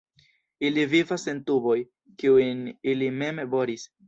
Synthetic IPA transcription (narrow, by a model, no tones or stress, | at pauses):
ilivivase̞ntubo̞j | kiunilime̞mebo̞ɾis